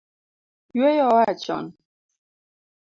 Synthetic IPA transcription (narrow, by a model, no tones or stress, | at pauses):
jɛjɔwat͡ʃɔ̰n